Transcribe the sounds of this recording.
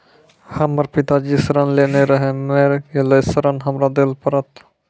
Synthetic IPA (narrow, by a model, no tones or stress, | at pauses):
hɐməɾpit̪ad͡ʒisəɾənleneɾəɦemeɾkelesəɾənɦɐmɾad̪elpəɾət̪